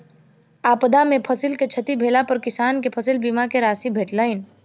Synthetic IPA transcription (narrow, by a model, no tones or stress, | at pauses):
aːpəd̪amẽpʰəsilket͡ʃʰət̪ibʱeːlapəɾkɪsaːnkepʰəsilbiːmakeɾaːsibʱeːʈləɪn